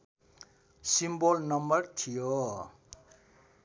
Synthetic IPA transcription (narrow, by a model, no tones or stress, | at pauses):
simbolnʌmbʌrt̪ʰijo